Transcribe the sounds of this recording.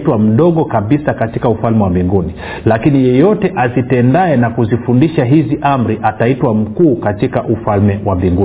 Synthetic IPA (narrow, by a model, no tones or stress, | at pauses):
twam̩ɗɔɠɔkaɓisakatikaufalmɛwambiŋɡuni | lakinijɛjɔtɛʔazitɛndaɛnakuzifundiʃaɦiziʔam̩ɾiʔataitwam̩kuːkatikaʔufalmɛwambiŋɡu